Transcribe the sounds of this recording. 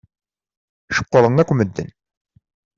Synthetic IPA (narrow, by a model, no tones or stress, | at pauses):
ʃə̥qːəɾˤəŋækʷːməd̪ːə̰n